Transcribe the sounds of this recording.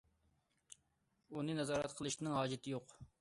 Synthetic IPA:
unɨnɛzɑːɾɛt̪qʰəlˠɨʃt̪nɨŋɦɑːd͡ʒɪt̪ʰɪjoq

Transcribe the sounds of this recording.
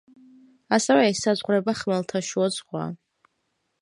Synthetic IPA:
asɛvɛːsːazʁɾɛbaχmɛlˠt̪ʰaʃuɔzχwa̰

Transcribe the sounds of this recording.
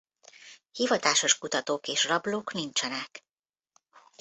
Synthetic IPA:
hivɒt̪aːʃo̞ʃkut̪ɒt̪oːkeːʃrɒbloːknint͡ʃɛnɛk

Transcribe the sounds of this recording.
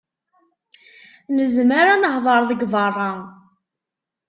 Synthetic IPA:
nəzməɾanəhðˤɑɾˤðəɡvɑrˤːɑ

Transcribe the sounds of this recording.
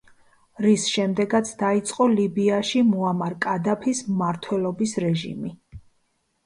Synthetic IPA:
ɾisʃɛmd̪ɛɡat̪sʰd̪ait̪sʼqʼɔlibiaʃimuamaɾkʼad̪apʰismaɾt̪ʰwɛlɔbisɾɛʒḭmi

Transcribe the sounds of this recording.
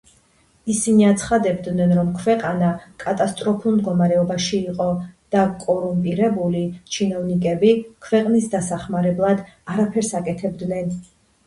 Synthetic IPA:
isiniat̪sʰχad̪ɛbd̪nɛnɾɔmkʰwɛqʼanakʼat̪ʼast̪ʼɾɔpʰulˠmd̪ɡɔmaɾɛɔbaʃiːqʼɔd̪̥akʼɔɾumpʼiɾɛbulit͡ʃʰinɔvnikʼɛbikʰwɛqʼnisd̪asaχmaɾɛblˠad̪aɾapʰɛɾsakʼɛt̪ʰɛbd̪nɛn

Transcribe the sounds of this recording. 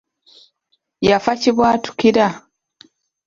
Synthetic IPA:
jafaciβwaːtu̥kiɾa

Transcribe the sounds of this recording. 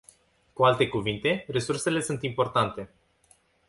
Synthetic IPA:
kualt̪e̞kuvint̪e̞re̞surse̞le̞sunt̪impo̞rt̪ant̪e̞

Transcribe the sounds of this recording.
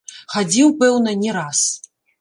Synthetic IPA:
xad͡zʲiwpɛwnɐnʲɛɾas

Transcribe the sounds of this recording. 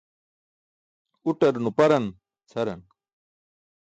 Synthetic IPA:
uʈɐɾnupɐɾɐn | t͡sʰɐɾɐn

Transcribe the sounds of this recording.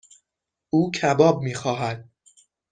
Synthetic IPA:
ʔuːcʰæbɒːb̚miːxɒːɦæd̪̥̚

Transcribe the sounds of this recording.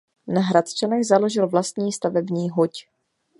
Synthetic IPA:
naɦɾat̪t͡ʃɛnɛɣzalo̞ʒɪlvlast̪ɲiːst̪avɛbɲiːɦoc

